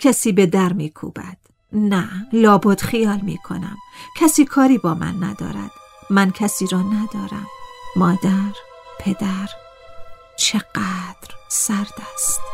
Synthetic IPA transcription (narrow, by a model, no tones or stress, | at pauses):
cʰæsiːbe̞d̪æɾmiːkʰṵːb̥æ̰d̪̥ | nælɒːbod̪̥xijɒːlmḭːkʰo̞̰næ̰mcʰæsiːkʰɒːɾiːbɒːmæ̰nːæ̰d̪ɒ̰ːɾæ̰d̪̥ | mæncʰæsiːɾɒːnæd̪ɒːɾæ̰mːɒːd̪æɾpʰe̞d̪æɾ | t͡ʃʰeɢæd̪̥ɾsæɾd̪̥æst̪